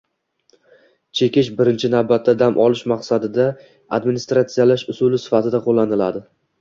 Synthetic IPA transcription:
t͡ʃʰe̞kʲɪʃbɪɾɪnt͡ʃʰɪnavbat̪ʰːad̪amʔɒlɪʃmaqsad̪ɪd̪a | a̰d̪mɪnist̪ɾat̪sijalaʃʊsʊlɪsɪ̥fat̪ʰɪd̪aqʰolːanɪlad̪ɪ

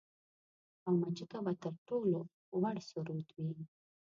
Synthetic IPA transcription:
awmat͡ʃəkabat̪əɾʈolo | waɽsuɾut̪wi

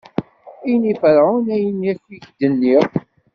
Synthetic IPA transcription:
ijnifəɾʕunæjənjækːiçd̪ənːiʁ

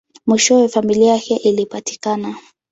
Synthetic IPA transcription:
miʃɔwɛfamiliajakɛʔilipati̥kana

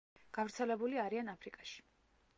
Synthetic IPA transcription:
ɡ̥avɾt̪sʰɛlɛbuliaɾianapʰɾikʼaʃi̥

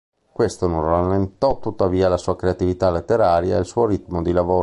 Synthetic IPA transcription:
kwest̪ononralːent̪ɔt̪ːut̪ːaviːalasuːakɾeat̪ivit̪alet̪ːeɾaːɾjaḛlsuːoɾit̪mod̪ilavoː

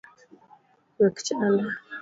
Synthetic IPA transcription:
wəkt͡ʃana

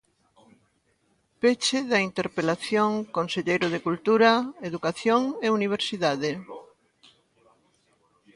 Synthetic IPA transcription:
pet͡ʃɪðɐint̪eɾpelaθjoŋkonseʎejɾʊð̞ekult̪uɾɐeðukaθjoŋeuniβ̞eɾsiðaðɪ

